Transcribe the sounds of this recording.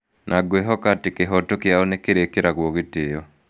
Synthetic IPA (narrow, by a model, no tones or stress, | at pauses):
nʔaɡeɦɔkatɪkeɦɔtokjaonekeɾekeɾaɣwoɣitɪjɔ